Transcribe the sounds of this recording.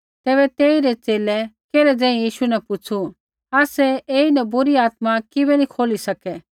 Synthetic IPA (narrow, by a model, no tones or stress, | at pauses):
t̪ɛːβɛt̪eːiɾɛt͡seːlɛkɛːlɛd͡zɛ̃ːĩjiːʃunɛpʊt͡sʰu | aːsɛeːinɐbʊɾiaːt̪makɪbɛnĩkʰoːlisɐkɛ